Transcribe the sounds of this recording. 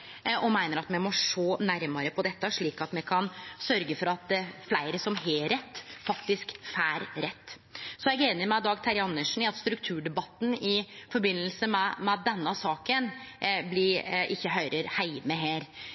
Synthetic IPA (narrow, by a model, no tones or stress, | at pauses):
ɔmæɪnəɾɑt̪mɛmɔʂoːnæɾmɑɾəpʰɔd̪ɛt̪ːəʂɭiːkɑt̪mɛkʰɑnsœɾɡəfɔɾɑt̪flæɪɾəsɔmɦeːɾɛt̪ːfɑkt̪ɪskfæːɾɾɛt̪ː | sɔjɛɡeːnəɾmæɪd̪ɑːɡt̪ʰæɾɪɑnːəʂn̩ɪɑt̪st̪ɾʉk̚t̪ʰʉːɖɛbɑt̪ːn̩ɪfɔɾbɪnːəlsəmɛmɛd̪ɛnːəsɑːkən | blɪɾʔɪçːəɦœʏɾəɾhæɪʋməɦeːɾ